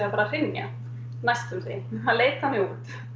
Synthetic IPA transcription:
apaːɾar̥ɪnja̰ | najst̪ʏɾθḛjhanleːjt̪θanːɪut̪

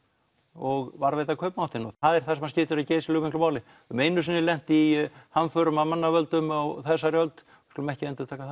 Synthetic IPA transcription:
ɔɣvaɾveːjt̪akʰœpnawht̪ɪnɔ̰θaðɛɾ̥θasɛmhascɪːt̪ʏɾaðceːjsɪlʏːɣvmiŋklʏmaːwlɪ | ʏmejnʏsinːɪlɛn̥t̪ihanfœɾʏmamanːavœlt̪ʏmaɣθɛsːaɾjœlt̪ | kʰɔlʏmɛhcɪɛnt̪ʏɾt̪ʰaːkaθa

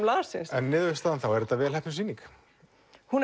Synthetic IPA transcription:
mlaːaɾsɪ̰nsɛnːɪːðvɪst̪aðanθawɛɾɛt̪ːavɛːlhɛpnsiːnik | hun

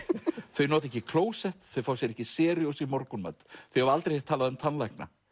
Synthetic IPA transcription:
θœɥnɔːt̪ɛhcɪkʰloːwsɛht̪θœɥfawsjɛɾɛhcɪsɛːɾjowsimɔɾkʏnma̰t̪θœɥhɛvɾalt̪ɾejhɛ̥t̪ʰːaːlaðʏmt̪ʰanlajhkna̰

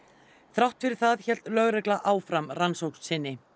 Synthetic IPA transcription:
θɾawht̪fɪɾɪɾ̥θaðçɛl̥t̪lœɣɾɛklaʔaːwfɾamransowkssɪnːɪ

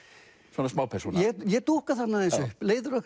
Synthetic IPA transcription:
svɔnasmaːwpʰɛ̥sṵːnɛjɛt̪uhkaθat̪naẽnsʏhpleːjðʏɾʏhk

